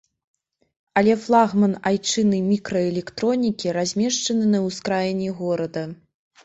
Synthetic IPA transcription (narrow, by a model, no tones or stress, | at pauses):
ɐlʲɛflˠaɣmɐnajt͡ʂɨnɨjmʲikɾɐɛlʲɛkt̪ɾɔnʲikʲiɾazʲmʲɛʂt͡ʂɐnɨnɐwskɾajnʲɛɣɔɾɐd̪ɐ